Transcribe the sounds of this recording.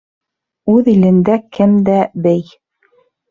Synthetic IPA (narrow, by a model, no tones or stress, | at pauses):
ʉðilɘ̆nd̪ækɘmd̪æbɘj